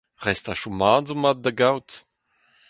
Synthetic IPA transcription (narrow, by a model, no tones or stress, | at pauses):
ʁɛstaʃumaːnzumat̚dəɡawt